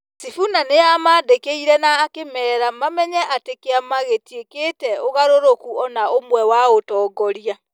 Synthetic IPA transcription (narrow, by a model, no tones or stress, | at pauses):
sifunaneamaːdekeiɾɛnaːkemɛːɾamamɛɲɛʔatekeamaɣetieketɛoɣaɾoɾokuɔnaomwɛwaotɔːɡɔɾia